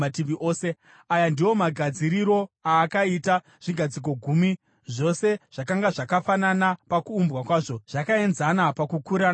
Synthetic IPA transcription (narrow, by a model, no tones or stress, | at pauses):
atiʋiʔoːse̞ | ajandiwo̞maɡʱad͡ziɾiɾo̞aːkaita | ʐ̥iɡʱad͡zik̬o̞ɡʱumi | ʐo̞se̞ʐ̥akaŋɡaʐakafananapakuːmbɣakwaːʐo̞ʐ̥akae̞nzanapakukuɾan